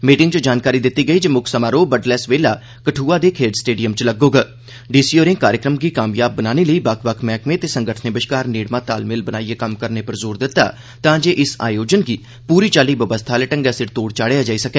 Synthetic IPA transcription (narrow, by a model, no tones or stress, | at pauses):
miːʈɪ̃ŋɡt͡ʃəd͡ʒaːnkaːɾiːd̪ɪt̪ːiːɡəiːd͡ʒemʊkʰsəmaːɾoːbəɖlɛːsʋeːlaː | kəʈʰuːaːd̪eːkʰeːɖsʈeːɖijəmt͡ʃləɡoːɡaː | ɖiːsiːoɾɪ̃ːkaːɾjəkɾəmɡiːkaːmjaːb̚ːənaːneːləiːbəkʰʋəkʰmɛ̃ːkmẽːt̪eːsəŋɡəʈʰneːbəʃkaːɾneːɽmãːt̪a̰ːlmɪlbənaːieːkəmkəɾneːpəɾzoːɾd̪ɪt̪ːa̰ː | t̪ãːd͡ʒeːʔɪsa̰ːjoːd͡ʒənɡiː | puːɾiːt͡ʃaːliːʋəbəst̪ʰaːlɛʈəŋɡɛːsɪɾt̪oːɽt͡ʃaːɽeaːd͡ʒaːiːsəkɛː